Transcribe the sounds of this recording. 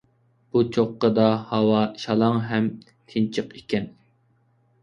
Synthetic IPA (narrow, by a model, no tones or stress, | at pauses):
b̥ut͡ʃʰoqːəd̪ɑhɑwɑʃɑlˠɑŋɦɛm | t̪ʰɪnt͡ʃʰəqekʲɛn